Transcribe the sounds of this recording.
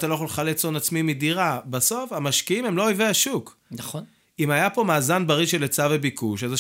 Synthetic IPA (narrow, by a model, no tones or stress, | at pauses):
t̪alojaxolχalet͡sonat͡smimidiʁabaso̞famaʃkiimemloojveaʃuk | naχo | imajapo̞maːzanbaʁiʃelet͡savebikuʃaza